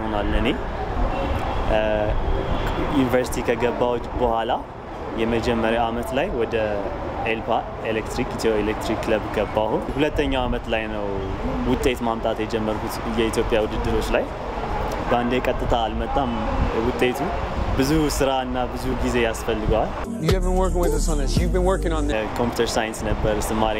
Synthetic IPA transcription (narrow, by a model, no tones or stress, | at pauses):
honalːɨne̞ | junivəɾsi̥t̪ʰikʰəɡəbːawɔt͡ʃʼbəhʷala | jɛməd͡ʒɛmːəɾjawamət̪lajwɔd̪ə | elpʰa | elekt̪ɾikit̪oelek̚t̪ɾikːləbɡəbːahunhulət̪ːəɲːawamət̪lajnəw | wʊt̪ʼːe̞t̪mamt̪ʼat̪jɛd͡ʒɛmːəɾkʰut̪jɛit̪jo̞pʼjawʊd̪ɨd̪ːɨɾo̞t͡ʃːlaj | bəand̪ekʼət̪ʼːɨt̪ʰalmət̪ʼːamwʊt̪ʼe̞t̪ʰubɨzusɨɾaɨnːabɨzuɡize̞jasfəlːɨɡal | juhævɨ̃nwə˞kɪ̃ŋwɨðəsonəsjuvbɨ̃nwə˞kɪ̃ŋɔ̃nðkʰo̞mpjut̪ʰəɾsajɨnsnəbːəɾsɨmːaɾi